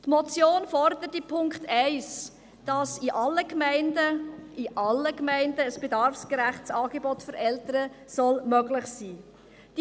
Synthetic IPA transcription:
tmɔt͡sjoːnfɔrdəɾətipʰʊŋkχtʰɛɪs | d̥ɑsiʔɑlːəkmɛɪndəiʔɑlːəkmæɪndəːsb̥edɑɾfsɡ̥ɾæχtsɑːɡ̥ebɔtfʏɾɛltəɾəsɔlmœɡlɪχsiː | d̥

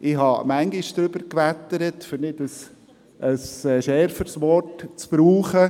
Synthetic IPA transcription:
ʔɪhɑmæŋɡɪʃd̥̪ɾʏb̥əɾkʋæt̪əɾətfʏɾnɪtəs | ʔəsʃɛɾfəɾsʋɔrtt͡sb̥ɾuːχə

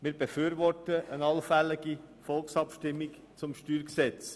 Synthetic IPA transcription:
mɪːɾb̥efyːɾvɔrtəʔənɑlfælɪɡi | fɔlksɑpʃtɪmːik | t͡sʊmʃtyːɾksɛt͡s

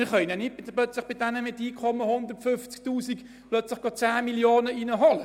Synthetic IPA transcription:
ɪɾχœʏnanɪt̚bɪplœt͡slɪχb̥ɪdɛnəmɪtiːkʰɔməhʊnd̪ərtfʏnft͡sk̚tuːsik | plœt͡slɪχɡ̥ɔt͡saːmiljoːnəinəɦɔlə

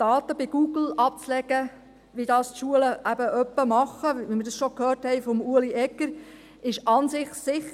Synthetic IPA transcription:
d̥ɑːt̪əbɪɡ̥uːɡ̥l̩ɑp̚t͡slɛɡə | ʋidɑːstʃuələʔæbəʔœpːəmɑχːəʋiməɾdɑsʃɔkhøːrthɛɪfɔmuəliʔɛkːəɾ | ɪʃɑnsɪχsɪχ

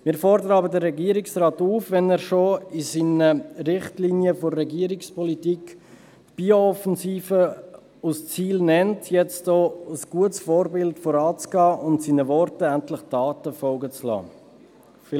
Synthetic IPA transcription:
mɪːɾfɔɾdəɾəɑbədəɾːɛɡiəɾɪksrɑːtuːfʋɛnɛːɾʃoisinəɾɪχtlinjəforːɛɡiəɾikspɔlitiːk | b̥iːoɔfənsiːfə | ust͡siːlnɛntʰjɛt͡stoːəsɡ̥uətsfoːɾbɪltfɔɾɑːt͡sɡ̥ɑːʔʊntsinəvɔɾtəæntlɪχd̥ɑːtəfɔlɡət͡slɑ̰ː

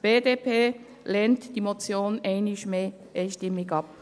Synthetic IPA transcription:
b̥eːdepʰeː | leːntd̥iːmot͡sjoːneɪnɪʃmeː | ʔeɪʃtɪmɪɡɑp

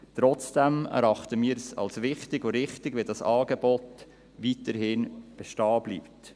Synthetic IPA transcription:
t̪ɾɔt͡sd̥ɛmɛ̰ɾɑχtəmiːɾsɑ̰lsʋɪχtɪɡoɾɪχtɪɡʋidɑsɑːɡebɔt | vitəɾɦɪnb̥ɛʃtɑːbliːpt

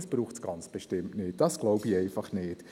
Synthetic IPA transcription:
sb̥ɾuːχtsɡ̥ɑnt͡sb̥eʃtɪmnɪt̚d̥ɑsɡ̥loʊbiɛɪfɑχnɪːt

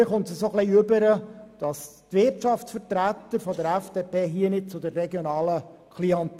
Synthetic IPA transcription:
əχʊntsəsoχliøbəɾəd̥ɑs | tvɪɾtʃɑftsfərtɾæt̪ːəɾfɔd̪əɾæfd̥eːpʰeːɦiənɪd̚t͡sʊd̪ərːɛɡjɔnɑːləkʰliɑnt

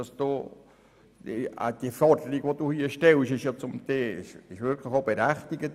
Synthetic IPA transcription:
ɑsd̥oː | ə̰d̥iəfɔrd̥əɾikʋod̥uːhiəʃtɛlʃɪʃjɑt͡sʊmd̪eːɪʃɪʃʋɪɾkʰləxobəɾæχt̪iɡət

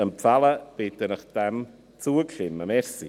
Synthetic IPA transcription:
əmpʰralˠab̥eːdənəχd̥ɛm | tʰuːəɡ̥ɬɪnamɛrsi

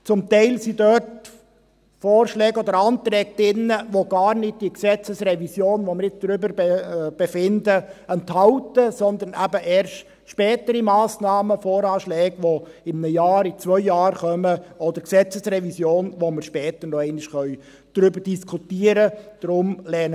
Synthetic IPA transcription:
t͡sʊmt̪æɪlsidœt | fɔːrʃlɛːɡɔd̪əɾɑːnt̪ɾɛːɡ̚d̥̪ɪnːəʋoɡɑːɾnɪd̥̚d̥iəksɛt͡səsɾɛvisjoːnʋomɪɾɪt͡sd̥ɾʏbəɾb̥ɛfɪndəɛnt̪hɑʊtəsɔnd̪ənʔæbəʔɛːɾʃt | ʃpɛːt̪əɾimɑːsnɑːməfɔːɾɑːʃlɛːɡʋoɪmnəjɑːɾit͡sʋœʏjɑːrχœməɔd̪əɾksɛt͡səsrɛʋisjoːnʋoməɾʃpɛːt̪ənɔɛɪnɪʃχœʏ | d̪̥ɾʏbəɾd̥iskʰutiəɾəd̥ɾʊmlɛːnə

